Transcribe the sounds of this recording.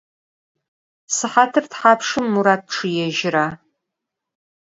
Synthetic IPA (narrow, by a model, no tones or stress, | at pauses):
sɨħatʰɨrtħaːpʰʂɨmːuɾaːt̚ʰʈ͡ʂʰɨjɛʒɪɾaː